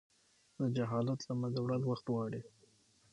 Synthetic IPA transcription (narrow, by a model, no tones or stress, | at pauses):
d̪əd͡ʒaɦɑlat̪lamad̪awɽalwaxt̪wɑɽi